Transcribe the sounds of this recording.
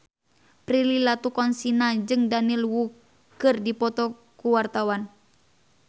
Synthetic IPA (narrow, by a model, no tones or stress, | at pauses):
pɾililat̪ukɔnsinad͡ʒɨŋdanilwu | kɨrdipɔt̪ɔ | kuwart̪awan